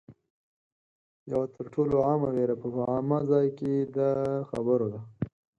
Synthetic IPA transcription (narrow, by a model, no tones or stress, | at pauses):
jawat̪ʰəɾʈʰoloɑmaweɾapəɑmazɑjked̪əxabəɾod̪a